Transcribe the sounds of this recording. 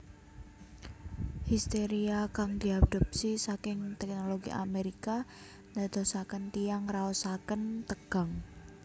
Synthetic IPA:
hist̪eɾiakaŋd̪̥iad̪̥ɔ̤p̚sisakɪŋt̪ɛk̚noloɡḭʔa̰meɾika | ndad̪̥ɔsakənt̪ijaŋraɔsakənt̪əɡ̥a̤ŋ

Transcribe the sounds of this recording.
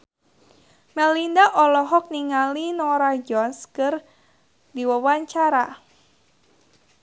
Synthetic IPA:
mɛlindaʔɔlɔɦɔk̚niŋalinɔɾad͡ʒɔnskɨr | diwəwaɲt͡ʃaɾa

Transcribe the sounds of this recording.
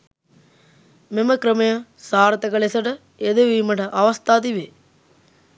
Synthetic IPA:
memɐkɾɐmɐjɐsaːɾɐt̪ɐkɐɭesɐʈɐ | ed̪eʋiːmɐʈɐʔɐʋɐst̪ʰaːt̪̬iʋe

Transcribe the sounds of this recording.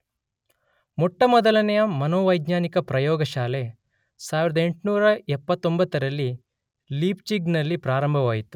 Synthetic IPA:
mɔʈːɐmɔd̪ɐlɐnɛjɐmɐnoːʋɐjd̪ɲaːnikɐpɾɐjɔːɡɐʃaːle | saːʋiɾɐd̪ɐeɳʈnuːɾɐɛpːɐt̪ːombɐt̪ːɐɾɐlːi | liːpt͡ʃiɡnɐlːipɾaːɾɐmbʱɐʋaːjit̪u̥

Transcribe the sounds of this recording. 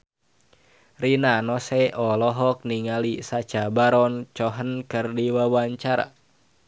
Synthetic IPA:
rinanɔsɛʔɔlɔɦɔk̚niŋalisat͡ʃabaɾɔnt͡ʃɔɦənkɨrdiwawaɲt͡ʃaɾa̰

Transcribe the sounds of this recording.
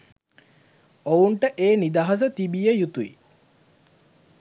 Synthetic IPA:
ouɳʈəʔeːnid̪aɦɐs̬ət̪ibijəjut̪uḭ

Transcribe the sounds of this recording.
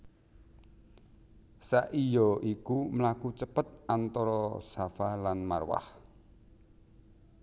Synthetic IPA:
saʔijɔʔikuməlakut͡ʃəpət̪̚ʔant̪ɔɾɔsafalanma̰rwa̰h

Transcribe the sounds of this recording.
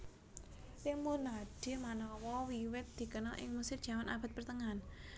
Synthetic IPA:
t̪imunaɖ̥e̤manɔwɔwiwɪt̪̚d̪̥i̤kənɔ̰ʔɪ̰ŋmusɪrdʒ̥a̤manʔab̥a̤t̪̚pərt̪əŋan

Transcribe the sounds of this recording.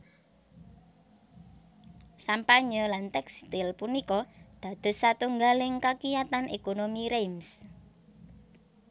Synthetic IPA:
sampaɲɔlant̪ɛkst̪ɪlpunikɔd̪̥ä̤d̪̥ʊ̤sːat̪uŋɡalɪŋkakijat̪anekonomiɾems

